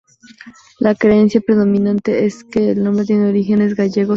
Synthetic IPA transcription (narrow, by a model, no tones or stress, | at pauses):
lakɾe̞ensjapɾe̞ðo̞mĩnãnt̪e̞eske̞ːlnombɾet̪̬jeneo̞ɾixe̞ne̞zɡaʝe̞ɣo